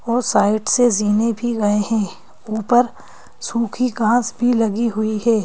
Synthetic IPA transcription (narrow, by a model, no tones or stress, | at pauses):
ɔːsaːɪʈseziːnebʱiɡɐeɦɛ̃ː | uːpəɾ | suːkʰiɡãːsbʱilɐɡiɦʊiɦɛː